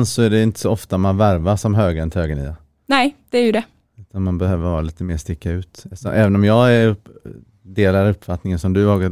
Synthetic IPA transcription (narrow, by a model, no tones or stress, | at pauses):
nsɔæɖɛɪnt̪ə̥sɔɔft̪amanvæɾvaʂɔmɦøːɡɛnt̪ʰøːɡənḭːa | nɛɪd̪̥ɛæɾjɵd̪ɛ | ʉ̟ːt̪ʰanmanbɛhøːvəɾhɑːɾaliːt̪əmeːʂt̪ɪkːaʉ̟ːt̪sɔ̰ʔɛːvənɔmjɑːɡæɵ | d̪eːlaɾɵpːfat̪ːnɪŋənsɔmd̪ɵɑːɡ